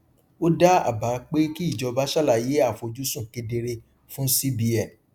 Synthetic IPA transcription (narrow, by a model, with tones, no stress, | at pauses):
o˦da˦a̰˦˨ba˨˦k͡pe˦ki˦i˦˨d͡ʒɔ˧ba˦ʃa˦la˦˨je˨˦a˦˨fo˧d͡ʒu˦sũ˦˨ke˧de˧ɾe˧ | fũ˦si˦bi˧ɛ˨